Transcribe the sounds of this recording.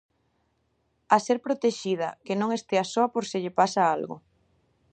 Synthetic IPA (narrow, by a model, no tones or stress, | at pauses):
aseɾpɾot̪eʃið̞ɐ̰kenõŋest̪easoɐpoɾsɪʎɪpasaalɣʊ̰